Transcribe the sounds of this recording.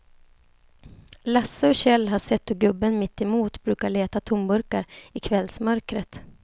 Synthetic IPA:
lasːəɔɕɛlːɦaʂɛt̪ːɔɡɵbːənmɪt̪ːɛmuːt̪bɾʉ̟ːkaɭeːt̪at̪ʰʊmbɵɾkaɾɪkʰvɛlsmœɾkɾət̪

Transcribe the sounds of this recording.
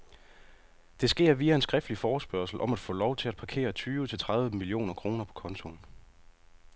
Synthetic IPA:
d̥e̝sɡ̥e̝̰ɐ̰ʋiæe̝nsɡ̥ʁɛfd̥lifɒːsb̥ɶɐsl̩ʔɒ̽mæd̥fɔ̰̽ːlɒʊt͡sʰe̝læd̥̚pʰɑ̈kʰe̝̰ːɐt͡sʰyːʋət͡sʰe̝lt͡sʰʁäð̞ˠʋəmilio̝̰ːnɐkʰʁo̝ːnɐpʰɒ̽kʰɒ̽nt͡sʰo̝n

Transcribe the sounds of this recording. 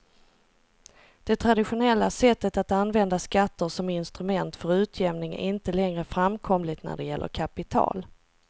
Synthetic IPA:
d̪̥ɛt̪ʰɾad̪ɪɧʊnɛlːasɛt̪ːət̪at̪anːvɛnd̪askat̪ːəʂɔmɪnst̪ɾɵmɛnt̪fœɾʉ̟ːt̪ʰjɛmnɪŋæ̰ɾɪnt̪əlɛŋɾəfɾamkʰɔmlɪt̪næ̰ɖɛjɛlːʔə̰ɾkʰapɪt̪ʰɑ̰ːl

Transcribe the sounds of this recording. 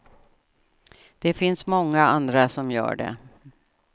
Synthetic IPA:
d̪̥ɛfɪnsmɔŋːaand̪ɾasɔmjœ̰ːɖɛ̰

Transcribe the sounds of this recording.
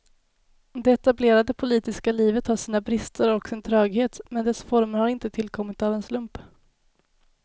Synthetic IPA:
d̪ɛɛt̪ableːɾad̪əpʰʊliːt̪ɪskaliːvət̪haʂiːnabɾɪst̪ʰəɾɔksɪnt̪ʰɾœːɡheːt̪mɛnd̪ɛsfɔɾməɾhaɾɪnt̪ət̪ʰɪlkʰɔmːɪt̪avɛnslɵmp

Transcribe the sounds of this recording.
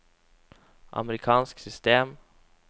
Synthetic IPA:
ʔɑ̰məɾɪkʰɑːnsksʏst̪eːm

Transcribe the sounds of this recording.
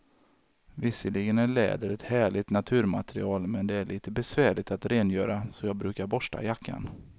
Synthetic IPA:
vɪsːəlɪɡənæɭɛ̰ːd̪əɾɛt̪hæːɭɪt̪nat̪ʰʉ̟ːɾmat̪ʰɾɪ̰ɑːlmɛnd̪ɛæɭiːt̪əbɛsvæːɭɪt̪at̪ɾeːnjœːɾasɔjɑːɡ̚bɾʉ̟ːkaɾbɔʂʈa̰jakʰːa̰n

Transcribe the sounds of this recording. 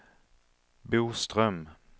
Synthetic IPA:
buːst̪ɾœm

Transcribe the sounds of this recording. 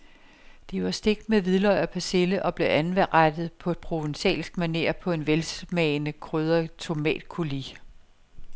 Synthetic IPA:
d̥iʋɑ̈sd̥e̝ɡ̥d̥meʋiðˠlɒɪɐpʰæse̝ləʔɒ̽b̥le̝ʔænʋæʁad̥ð̞̩ˠpʰɒ̽e̝d̥̚pʰʁo̝ʋensɛ̰ːlsɡ̥mæne̝̰ːɐpʰɒ̽e̝nʋelsmɛːnəkʰʁøð̞ˠɐt͡sʰo̝mɛ̰ːd̥kʰoli

